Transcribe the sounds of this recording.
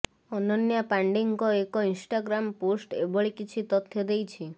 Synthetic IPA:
ɔnɔnjapaɳɖiŋkɔekɔinsʈaɡɾamposʈḛbɔɭikit͡ʃʰit̪ɔt̪ʰːjɔd̪ejt͡ʃʰi

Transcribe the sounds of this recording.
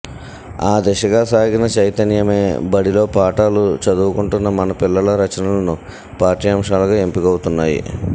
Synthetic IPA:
aːd̪ɛʃɐɡaːsaːɡinɐt͡ʃɐjt̪ɐnjɐme̞ːbɐɽilo̞ːpaːʈaːlut͡ʃɐd̪uːukuɳʈunːɐmɐnɐpilːɐlɐɾɐt͡ʃɐnɐlɐnu | paːɾʈiːjɐːmʂaːlɐɡaːempikɐwut̪unːaːjḭ

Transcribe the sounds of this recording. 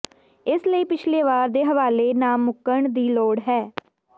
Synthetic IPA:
ɪsləiːpɪt͡ʃʰleːʋaːɾd̪eːɦəʋaːleːnaːmːʊkəɳd̪iːloːɽɦɛː

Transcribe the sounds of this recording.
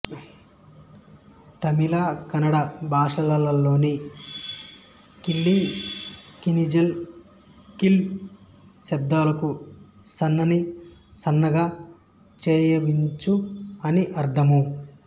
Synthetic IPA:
t̪ʰɐmilakɐnɐɽɐbʱaːʂɐlɐlɐlːo̞ːni | kilːi | kinid͡ʒel | kil | sɐb̚d̪aːlɐkusɐnːɐnisɐnːɐɡaː | t͡ʃɛːjɐʋiɲt͡ʃuɐniʔɐɾd̪ʰʱɐmu

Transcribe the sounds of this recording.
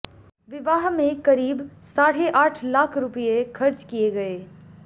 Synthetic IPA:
ʋɪʋaːɦmẽkɐɾiːbsaːɽ̤eʔaːʈʰlaːkʰɾʊpijekʰɐɾt͡ʃkijeɡɐeː

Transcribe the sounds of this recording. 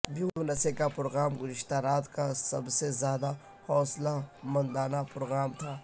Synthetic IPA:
bũːonɐsekapɾoːɣaːmɡʊzɪʃt̪aɾaːt̪kasɐbsezjaːd̪a | hɔːslamɐ̃nd̪aːnapɾoːɣaːmt̪ʰaː

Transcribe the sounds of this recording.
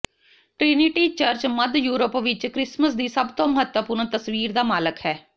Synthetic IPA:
ʈɾɪnɪʈiːt͡ʃəɾt͡ʃməd̪juːɾəpʋɪt͡ʃkɾɪsməs̬d̪iːsəbt̪õːməɦət̪wəpʊɾɳt̪əsʋiːɾd̪aːmaːləkhɛː

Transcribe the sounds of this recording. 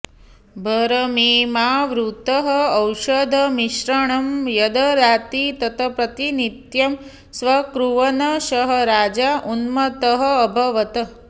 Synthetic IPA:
bʱɐɾɐmimaʋɾut̪ɐɦɐːwʃɐd̪ʱɐmiʃɾɐɳɐmjɐd̪ɐɾat̪it̪ɐt̪ʰɐpɾɐt̪init̪jɐm | sʋɐkɾuʋɐnɐʃɐɦɐɾaːd͡ʒaʔunmɐt̪ɐɦɐːbʱɐʋɐt̪ɐ

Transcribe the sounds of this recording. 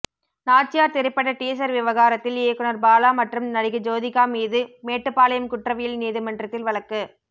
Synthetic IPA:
naːʈ̚t͡ʃɪjaːɾt̪ɛɾɪpːɐɽɐʈiːs̬ɐɾʋɪʋɐɣaːɾɐt̪ːɪljeːkːɯnɐɾbaːlaːmɐʈrɯmnɐɽɪɣɐd͡ʒoːðɪkːaːmiːðɯmeːʈːɯpːaːlɐjɐmkʊʈrɐʋɐjɪlniːðɯmɐɳdrɐt̪ːɪlʋɐɭɐkːɯ

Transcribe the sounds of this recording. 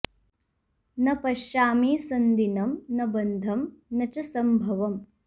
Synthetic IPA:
nɐpɐʃjaːmiːsɐnd̪inɐmnɐbɐnd̪ʱɐmnɐt͡ʃɐsɐmbʱɐʋɐm

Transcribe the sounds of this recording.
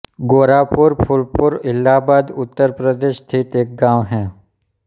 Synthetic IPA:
ɡoːɾapʊɾpʰʊlpʊɾɪlːaːbaːd̪ʊt̪ːəɾpɾəd̪eːʃt̪ʰiːt̪eːk̚ɡãːʋɦɛː

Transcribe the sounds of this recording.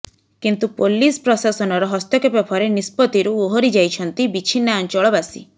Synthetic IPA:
kint̪upolispɾɔsasɔnɔɾɔɦɔst̪jɔkepapʰɔɾenispɔt̪iɾuoɦoɾid͡ʒajt͡ʃʰɔnt̪ibit͡ʃʰinːaant͡ʃɔɭɔbasḭ

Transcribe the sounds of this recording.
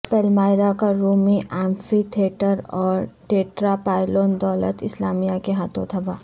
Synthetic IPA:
pɛlmaːɪɾakaɾuːmiʔɛ̃ːmfit̪ʰieːʈəɾɔːɾʈeːʈɾapaːɪloːnd̪ɔːlə̰t̪ɪslaːmijakeɦaːt̪ʰõt̪ʰɐbaː

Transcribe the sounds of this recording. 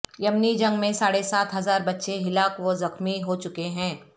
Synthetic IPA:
jɐmnid͡ʒɐ̃ŋɡmẽsaːɽesaːt̪ɦɐzaːɾbɐtːʃeɦɪlaːkʋozɐxmiɦot͡ʃʊkeɦɛ̃ː

